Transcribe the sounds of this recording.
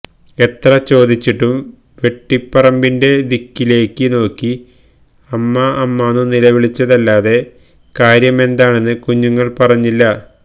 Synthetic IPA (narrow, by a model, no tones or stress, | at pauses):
e̞t̪rɐt͡ɕo̞ːd̪it͡ɕːiʈːum | ʋe̞ʈːipːɐrɐmbinde̞d̪ikːile̞ːkːɨno̞ːkːi | ɐmːɐːmːaːnunilɐʋiɭit͡ɕːɐðɐlːaːðe̞ | kaːɾjɐme̞nd̪aːɳe̞nːɨkuɲːuŋːɐɭpɐrɐɲːilːɐ